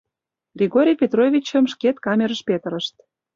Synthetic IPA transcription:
ɡrʲeɣoɾʲijpʲet̪rovʲit͡ɕə̆mʃket̪kɑmʲeɾəʃpet̪ə̆ɾəʃt̪̚

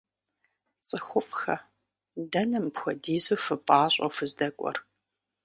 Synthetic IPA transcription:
t͡sʼɨxʷʊfʼxɐ | dɐnɨmpxʷɔdiːzofɨpʼaːɕʼɐ̰fɨzdɐkʷʼɔ̰r

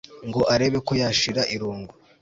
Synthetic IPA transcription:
ŋɡo̞ʔaɾe̞βe̞ko̞jaːʃiɾaʔiɾuːŋɡo

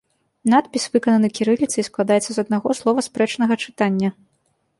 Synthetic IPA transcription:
nat̪̚pʲisʲvɨkɐnɐnɨkʲiɾɨlʲit̪sɨisklˠad̪ajɛt̪sːɐzɐd̪naɣɔslˠɔvɐspɾɛt͡ʂnɐɣɐt͡ʂɨ̥t̪anʲːɐ

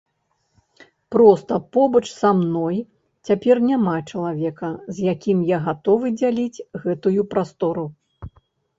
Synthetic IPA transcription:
pɾɔst̪ɐpɔbɐt͡ʂsamnɔj | t͡sʲapʲɛrnʲamat͡ʂɐlˠavʲɛkɐzjakʲimjaɣat̪ɔvɨd͡zʲalʲit͡sʲɣɛt̪ujupɾast̪ɔɾu

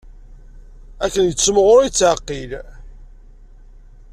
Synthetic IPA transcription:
ækːənjəːmʁʊɾit͡sːʕəqːil

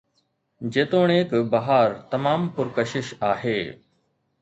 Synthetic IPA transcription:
d͡ʑeːt̪oːɳ̃eːkbɐɦaːɾt̪ɐmaːmpʊɾkəʃɪʃaːɦeː

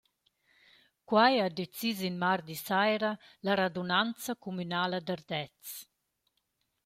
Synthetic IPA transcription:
kwajad̪et͡sizinmard̪isajɾalaɾad̪unant͡sakumynaːlad̪ard̪ɛt͡s

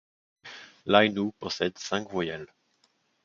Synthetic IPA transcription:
lajnupɔsɛd̪sɛ̃kvwajal

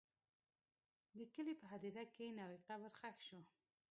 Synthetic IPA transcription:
d̪əkəlipəɦad̪iɾakenawiqabəɾxaxʃu

